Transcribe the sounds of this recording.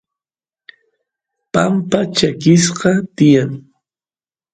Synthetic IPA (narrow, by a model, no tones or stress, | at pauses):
pampat͡ʃakɪsqɑt̪ɪjaŋ